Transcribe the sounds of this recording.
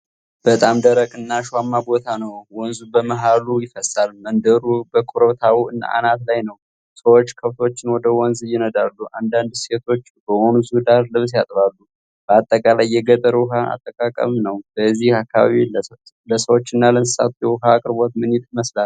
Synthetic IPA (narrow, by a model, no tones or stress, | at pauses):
b̥ət̪ʼamd̪əɾəkʼɨnːaʃwamːabo̞t̪ʰanəwwɔnzubəməɦalujɪfəsalmənd̪əɾubəkʼuɾot̪ʰawuɨnːa̰ʔa̰nat̪lajnəw | səwo̞t͡ʃːkʰəft̪o̞t͡ʃːɪnwɔd̪əwɔnzjːɪnəd̪alːuʔand̪and̪se̞t̪ʰo̞t͡ʃːbəwonzud̪aɾlɨβsjat̪ʼβalːu | b̥əat̪ʼːəkʼalajːɛɡət̪ʼːəɾwʊɦaa̰t̪ʼːəkʼakʼə̰mnəwb̥əzːihakːaβa̰βiləsə | ləsəwot͡ʃːɨnːalənsa̰t̪ujɛwʊɦakʼɨɾbo̞t̪mɨnjit̪məslal